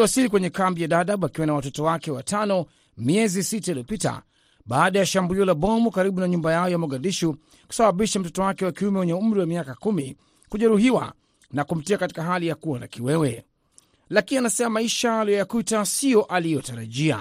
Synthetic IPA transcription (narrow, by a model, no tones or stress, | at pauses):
wasilikwɛɲɛkambijaɗaɗaɓakiwanawatɔtɔwakɛwatanɔ | miɛzisitailijɔpita̰ | ɓaːɗajaʃambuliɔlaɓɔmukaɾiɓunaɲumbajaɔjamuɠadiʃu | ku̥saɓaɓiʃam̩tɔtɔwakɛwakiumɛwɛɲɛum̩ɾiwamiakakumi | kuʄɛɾuhiwa̰ | nakum̩tiakati̥kaɦalijakuana̰kiwɛwɛ | lakinianasɛmamaiʃaːlijɔjakutasijɔʔalijɔtaɾaʄia̰